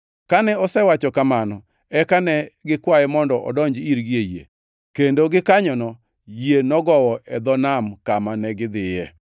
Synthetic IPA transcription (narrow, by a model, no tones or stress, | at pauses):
kanɛɔsɛwat͡ʃɔkamanɔ | ɛkanɛɡɪkwajɛmɔndɔʔɔ̰dɔɲd͡ʒiɾɡiejḛ | kendoɡɪkaɲɔnɔ | jenɔɡɔwɔʔɛd̪ɔnamkamanɛɡɪd̪ɪjɛ